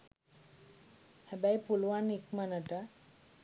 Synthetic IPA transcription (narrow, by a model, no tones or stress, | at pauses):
hɛbajpulwanikmanaʈa